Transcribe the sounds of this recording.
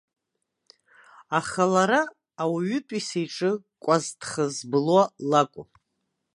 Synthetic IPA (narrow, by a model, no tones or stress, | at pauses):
aχalaɾaː | wɥʏtʼisejʈ͡ʂʼɨkʷʼaztʰχazbɨlwalakʷʼʊ